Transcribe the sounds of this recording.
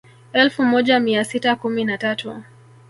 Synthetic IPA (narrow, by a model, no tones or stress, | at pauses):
ɛlfumɔʄamiasitakuminatatu